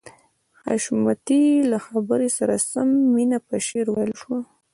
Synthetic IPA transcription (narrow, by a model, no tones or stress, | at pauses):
haʃmat̪ilaxabəɾesaɾasamːinapəʃeɾwajlʃwa